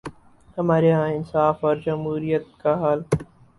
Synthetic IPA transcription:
hɐmaːɾeɦãɪnsaːfɔːɾd͡ʒɐmɦuːɾijət̪̚kaɦaːl

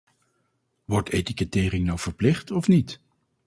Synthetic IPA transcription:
ʋɔɹtejtikətɪːɾɪŋnɑwv̥əɹplɪχtɔfnit

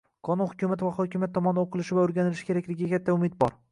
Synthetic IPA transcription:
qʰɒnunhʊkʲʰʊmat̪vaχɒkʲɪmjat̪ːɒmɒnɪoqʰɨlˠɪʃɪvaʊɾɡʲanɪlɪʃɪ̥kʲʰe̞ɾakʲlɪɡʲakʲʰat̪ʰːaʊmɪd̪̚bɒɾ

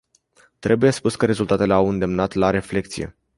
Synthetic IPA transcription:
t̪ɾe̞buje̞spuskəɾe̞zult̪at̪e̞leawɨnd̪e̞mnat̪laɾe̞fle̞k̚t̪sije̞̰

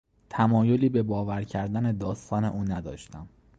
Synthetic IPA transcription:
t̪ʰæmɒːjo̞liːbe̞bɒːvæɾcʰæɾd̪æne̞d̪ɒːst̪ʰɒːne̞̰ʔuːnæd̪ɒ̰ːʃt̪æm

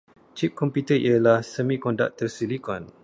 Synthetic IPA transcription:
t͡ʃip̚kɔmput̪əiəlahsəmĩkɔnda̰ʔ̚t̪ərsilikɔn

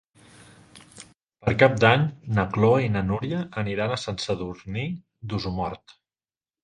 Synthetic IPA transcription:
pəɾkap̚d̪aɲnəkloinənuɾjəʔəniɾanəsənsəðuɾni | d̪uzumɔ̰ɾt̪

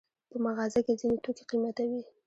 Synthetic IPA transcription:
pəmaɣɑzaked͡zinet̪okeqimat̪awi

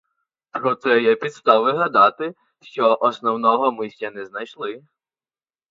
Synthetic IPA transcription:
ɾɔt̪sɛjɛpʲid̪st̪ɑʋɪɦɐd̪ɑt̪ɪ | ʃt͡ʃɔʔɔsnɔwnɔɦɔmɪsʲt͡ʃʲɐnɛznɐjʃlˠɪ

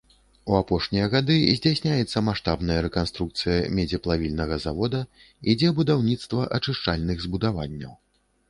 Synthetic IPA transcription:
uapɔʂnʲijɐɣad̪ɨzʲd͡zʲasʲnʲajɛt̪sːɐmaʂt̪abnɐjɐɾɛkanst̪ɾuk̚t̪sɨjɐmʲɛd͡zʲɛplˠavʲilʲnɐɣɐzavɔd̪ɐ | id͡zʲɛbud̪awnʲit̪st̪vɐʔɐt͡ʂɨʂt͡ʂalʲnɨɣzbud̪avanʲːɐ̰w

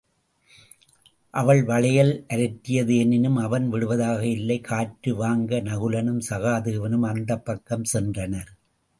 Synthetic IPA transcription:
ʔɐʋɐɭʋɐɭɐjɐlʔɐɾɐt̪ːɪjɐðɯɛnɪnɯmɐʋɐnʋɪɽɯʋɐðaːɣɐɪlːɐɪkʰaːʈɾɯʋaːŋɡɐnɐɣɯlɐnɯmsɐɣaːðɯɯʋɐnɯmɐnd̪ɐpːɐkːɐmsɛndrɐnɐɾ

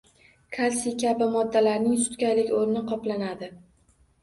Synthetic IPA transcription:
kʰalsikʲabɪmɒd̪ːalaɾnɪŋsʊ̥t̪kʲajlɪkʲoɾɪnɪqʰɒplanad̪ɪ

